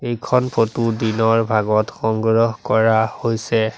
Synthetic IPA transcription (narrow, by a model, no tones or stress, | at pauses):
ejkʰɔnpʰotudinɔɹbʱaɡɔtxɔŋɡɹɔɦkɔɹahojsɛ